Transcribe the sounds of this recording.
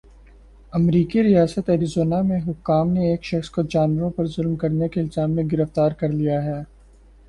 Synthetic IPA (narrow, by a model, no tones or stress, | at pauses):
ɐmɾiːkiɾijaːsət̪ɐɾizoːnamẽɦʊkːaːmneeːkʃɐxskod͡ʒaːnwəɾõpɐɾzʊlmkɐɾnekeɪlzaːmːẽɡɪɾəft̪aːɾkɐɾlijaɦɛː